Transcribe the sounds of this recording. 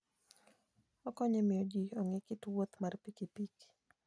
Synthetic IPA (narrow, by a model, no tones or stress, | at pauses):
ɔkɔɲemɪɔd͡ʒiɔŋekɪtwot̪marpikipik